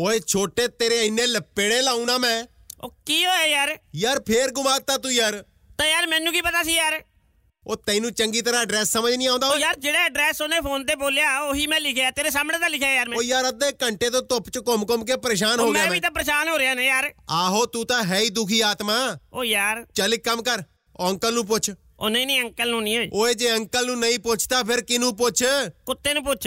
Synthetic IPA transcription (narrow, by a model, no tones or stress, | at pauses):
oːeːt͡ʃʰoːʈeːt̪eːɾeːɪnẽːləpːeːɽeːlaːũːnaːmɛ̃ː | oːkiːɦoːaːjaːɾjaːɾpʰeːɾɡʊmaːk̚t̪aːt̪̬uːjaːɾ | t̪aːjaːɾmɛ̃ːnũːkiːpət̪aːsiːjaːɾ | oːt̪ɛ̃ːinũːt͡ʃəŋɡiːt̪əɾãːəɖɾɛːsːəməd͡ʒnĩːaːʊ̃nd̪aːojaːɾd͡ʒeːɽeːəɖɾɛːsoːnẽːpʰoːnt̪eːboːlejaːoːɦiːmɛ̃ːlɪkʰjaːt̪eːɾeːsaːmneːt̪aːlɪkʰjaːjaːɾmɛ̃oːjaːɾəd̪eːkəɳʈeːt̪oːt̪ʊpt͡ʃkɔmkomk̬eːpəɾeːʃ̬aːnɦɦoːɡɪjaːɛiːt̪ãːpəɾəʃaːnɦoːɾejaːneːjaːɾaːɦoːt̪uːt̪ãːɦɛːiːd̪ʊkʰiːaːt̪maːoːjaːɾt͡ʃəlɪkəmkəɾ | əŋkəlnũːp̬ʊt͡ʃʰ | o̰nẽːnĩːəŋkəlnũːnĩːoːḭoːeːd͡ʒeːəŋkəlnũːnəĩːpʊt͡ʃʰt̪aːpʰɪɾkɪnũːpʊt͡ʃʰkʊt̪ːeːnũːpʊt͡ʃʰ